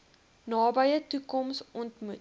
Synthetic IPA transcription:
nɑːbəjətukɔmsɔntmut

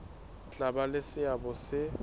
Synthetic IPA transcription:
t͡ɬʼabalɪsɪabɔsɪ

